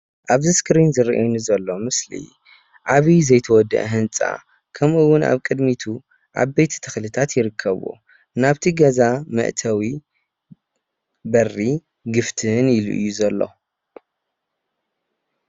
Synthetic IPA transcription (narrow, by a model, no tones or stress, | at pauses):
ʔaβzɨskɾinzɨɾʔajunɨzɐlːo̞mɨslḭ | ʕaβizɐjt̪ʰɐwɔd̪ːɐ̰ʔɦɨnt͡sʼa̰ | kʰɐmʔuwːʊnʔa̰βkʼɨd̪mit̪ʰu | ʔa̰βbejt̪ʰi̥t̪ʰɨxlɨt̪ʰat̪jɪɾɨkʰːɐβo̰ | naβt̪ʰiɡɐzamɐ̰ʔt̪ʰɐwi | bɐrːi | ɡɨft̪ʰɨnjɪlʔɨ̰jːuzɐlːo̞̰